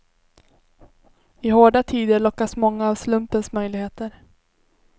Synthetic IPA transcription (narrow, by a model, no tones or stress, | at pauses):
ɪhoːɖat̪ʰiːd̪əɭɔkːasmɔŋːaːvslɵmpənsmœjlɪɡheːt̪əɾ